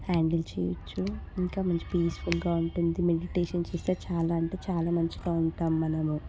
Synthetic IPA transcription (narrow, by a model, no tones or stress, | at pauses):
haːɳɖɐlt͡ʃɛ̰ːjɐ̰t͡ʃːuiŋkaːmɐɲt͡ʃi̥piːsfulɡaːuɳʈund̪imeɽiʈeːʂɐnt͡ʃeːst̪eːt͡ʃaːlaːɐɳʈeːt͡ʃaːlaːmɐɲt͡ʃiɡaːuɳʈaːmːɐnɐmu